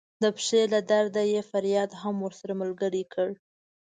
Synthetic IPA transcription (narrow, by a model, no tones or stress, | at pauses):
d̪əpʂelad̪aɾd̪ajefaɾjɑd̪ɦamwəɾsaɾaməlɡəɽikʰəɽ